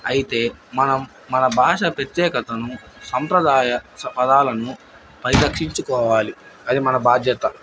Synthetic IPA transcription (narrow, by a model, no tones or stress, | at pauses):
ɐjit̪e̞ːmɐnɐmːɐnɐbʱaːʂɐpɾɐt̪jɛːkɐt̪ɐnu | sɐmpɾɐd̪aːjɐpɐd̪aːlɐnu | pɐɾid̪ɐkʂiɲt͡ʃukɔːʋaːli | ɐd̪imɐnɐbaːd̪ʱjɐt̪ɐ